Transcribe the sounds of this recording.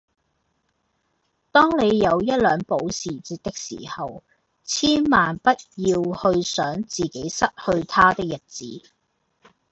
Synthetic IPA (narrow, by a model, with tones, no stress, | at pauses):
t̪ɔː˥ŋne˨˧jːɐ˨˧wjɐ˥t̚lœː˨˧ŋpo˨˥wsiː˨˩t͡siː˧t̚t̪ɪ˥k̚sḭː˨˩hɐ˨w | t͡sʰiː˥nmaː˨npɐ˥t̚jiː˧whɵ˧ɥsœː˨˥ŋt͡siː˨ke˨˥jsɐ˥t̚hɵ˧ɥt̪ʰaː˥t̪ɪ˥k̚jɐ˨˩t̚t͡sḭː˨˥